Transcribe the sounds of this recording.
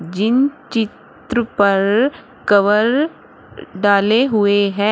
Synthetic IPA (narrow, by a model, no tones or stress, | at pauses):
d͡ʒɪnt͡ʃɪt̪ɾəpɐɾ | kɐʋəɾ | ɖaːleɦʊeɦɛ̃